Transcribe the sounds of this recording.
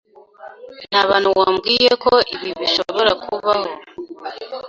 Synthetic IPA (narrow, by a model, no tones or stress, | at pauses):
n̥haβaːnhuwaːmɡiːjekoiβiβiʃo̰βo̞ɾakʰuβaho